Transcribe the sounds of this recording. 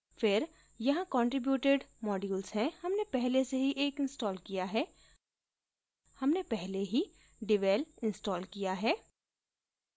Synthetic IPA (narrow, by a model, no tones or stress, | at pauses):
fɪɾ | jɐɦãkɔ̃ːɳʈɾɪbjuːʈeɖmɔːɖjulzɦɛ̃hɐmnepɛɦleseɦiʔeːkɪ̃nsʈɔːlkijaɦɛː | hɐmnepɛɦleɦi | ɖɪʋɛːlɪ̃nsʈɔːlkijaɦɛː